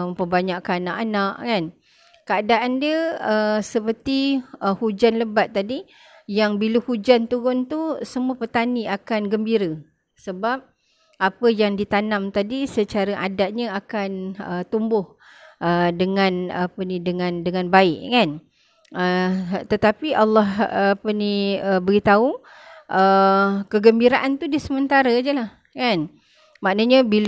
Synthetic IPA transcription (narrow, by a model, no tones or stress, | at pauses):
əpəbaɲakanaʔanaʔkan | kəadaʔandiəəsəpərt̪iəhud͡ʒanləbat̪̚ːadi | jaŋbiləhud͡ʒant̪uɣʊnt̪usəmuəpət̪aniakanɡəmbiɾə | səbap̚ | apəjaŋdit̪anamt̪adisət͡ʃaɾaʔadaʔ̚ɲəakanət̪umbʊh | ədəŋãnapənidəŋãndəŋãnbaɪʔkan | ət̪ət̪apiʔalːɑhapəniəbəɡit̪au | ʔəkəɡəmbiɾaʔant̪udiəsəmənt̪aɾəd͡ʒəlah | kan | maʔnəɲəbil